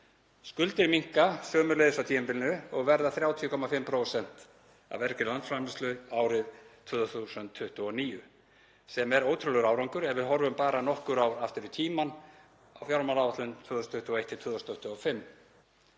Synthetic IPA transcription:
skʏlt̪ɪɾmiŋ̥kasœːmʏɾlejðʏsat̪ʰiːmɛmpɪlnʏɔɣvɛɾðaθɾjaːwt̪ʰijʏkʰɔmafɪmːpʰɾoːwsɛn̥t̪ | a̰vɛɾkɪnlant̪sfɾamlɪst̪lʏaːwɾɪðt̪ʰvœːðʏθusʏnt̪ʰːʏht̪ʏɔniːjʏ | sɛmɛɾoːwt̪ʰɾʏlʏɾaːwɾawŋkʏɾɛɾvɪðɦɔɾvʏmpaːɾanɔhkʏɾawɾaft̪ɪɾʏt̪ʰiːman | awfjawɾmalawvat̪lʏnt̪ʰvœːðɔsnt̪ʏht̪ʏɔejht̪ʰːɪt̪ʰvœːðɔsnt̪ʰʏht̪ʏɔfɪmː

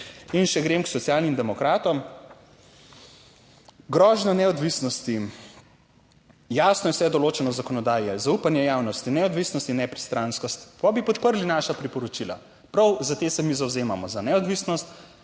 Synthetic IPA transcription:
inʃɛɡɾemksɔt̪sijaːlnimd̪ɛmɔkɾaːt̪ɔm | ɡɾɔʒnɔnɛɔd̪ʋisnɔst̪i | jaːsnɔjɛwsɛd̪ɔloːt͡ʃɛnɔzakɔnɔd̪aːjɛzaupanjɛjawnɔst̪inɛɔd̪ʋisnɔst̪inːɛpɾi̥st̪ɾanskɔst̪pabipɔt̪̚pəɾlinaʃapɾipɔɾɔt͡ʃila̰ | pɾawzat̪eːsɛmizawzeːmamɔzanɛɔd̪ʋisnɔst̪

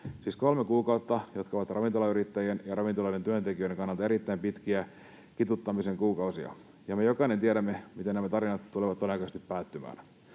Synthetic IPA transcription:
siːsko̞lmekuːkɑut̪ːɑjo̞t̪kɑoʋɑt̪rɑʋint̪o̞lɑyɾit̪ːæjienjɑrɑʋint̪olɑident̪yønt̪e̞kiøjɾe̞ŋkɑnːɑlt̪ɑeɾit̪ːæimpit̪k̟iæ | kit̪ut̪ːɑmise̞ŋkuːkɑusiɑ̰ | jɑme̞jo̞kɑinent̪ieɾæmːemit̪enæmæt̪ɑɾinɑt̪t̪uleʋɑt̪ːodenɑkɑst̪ipːæːt̪ːymæ̰ːn

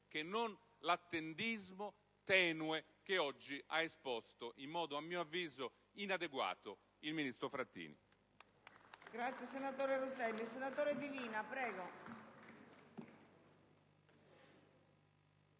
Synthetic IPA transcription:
kenːon | lat̪ːend̪izmo | t̪ɛːnuɛ | k̟eɔd͡ʒːiʔa̰espɔst̪oʔimːɔːd̪oamːiːoavːiːzo | inad̪eɡwa̰ːt̪o | ilminist̪ɾofɾat̪ːḭːnḭ | ɡɾat̪sjɛsenat̪oːɾerut̪ɛlːisenat̪oːɾed̪iviːnapɾɛːɡɔ

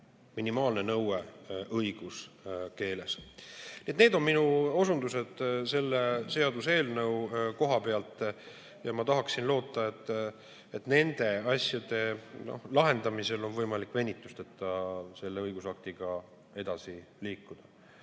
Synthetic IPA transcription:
minimɑːlne̞nɤweʔɤjɡ̥uske̞ːle̞sniet̪neːd̪o̞nminuo̞sund̪use̞d̪̥se̞lːese̞ɑd̪use̞ːlnɤ̞wko̞ɦɑpeɑlt̪ːˑ | jɑmɑt̪ɑɦɑksinlo̞ːt̪ˑːɑe̞t̪ːˑ | et̪ne̞nd̪̥e̞ɑsjɑd̪̥e̞no̞̰lɑɦe̞nd̪̥ɑmise̞lo̞nvɤjmɑlikːˑve̞nʲːit̪ːˑu̥st̪et̪ːˑɑse̞lːe̞ɤjɡ̥usɑk̚t̪iɡ̥ɑ | e̞d̪̥ɑsi | liːkːud̪̥ɑ

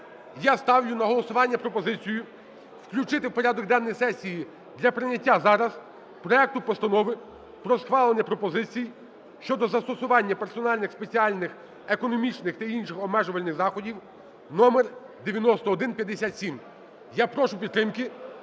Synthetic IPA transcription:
jast̪ɑwlʲʊnɐɦɔlˠɔsʊʋɑnʲːɐpɾɔpɔzɪt͡sʲijʊ | wklʲʊt͡ʃɪt̪ɪwpɔɾʲad̪ɔɡ̚d̪ɛnːɔjsɛsʲiji | d̪lʲɐpɾɪnʲɐtʲːazɑɾɐz | pɾɔɛk̚t̪ʊpɔst̪ɐnɔʋɪ | pɾɔsxʋɑlˠenʲːɐpɾɔpɔzɪt͡sʲij | ʃt͡ʃɔd̪ɔzɐst̪ɔsʊʋɑnʲːɐpersɔnɑlʲnɪxspe̞t͡sʲiɑlʲnɪx | ekɔnɔmʲit͡ʃnɪxt̪ɐinʃɪxɔbmɛʒʊʋɐlʲnɪxzɑxɔdʲiw | nɔmer | d̪eʋʲjɐnɔst̪ɔːd̪ɪnpʲjɐd̪ːesʲat̪ʲsʲim | japɾɔʃʊpʲid̪t̪ːɾɪmkɪ

